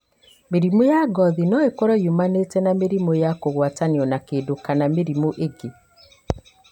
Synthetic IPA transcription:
meɾimojaɡɔðinɔekɔɾɔjumanetɛnameɾimojakoɣwataniɔnakedokanameɾimoʔeɡe

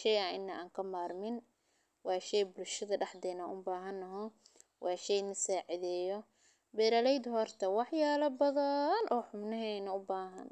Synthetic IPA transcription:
ʃɛjɐɪnːɐʔa̰ːŋkʰɐmaːrmɪn | wɑːʃɛjbʊlʃɐðɐɖɑħd̪ɛnɐnʔʊbaːɦɐnːɐɦɔ | wɑːʃɛjnɐsaːʕɪðɛːjɔ | bɛːɾɐlɛjd̪hɔrt̪ʰɐwɑħjaːlɐbɐðɐnʔɔːħʊmnɐɦɛːnɐʊbaːɦɐ̰n

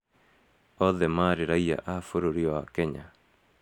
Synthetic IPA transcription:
ɔðɛmaɾeɾaia̰ʔafoɾoɾiɔwakɛɲa

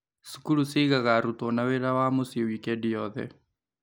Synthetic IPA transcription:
su̥kulusiɣaɣaɾut̪ɔnaweɾawaːmosiwikɛdijɔðɛ̰

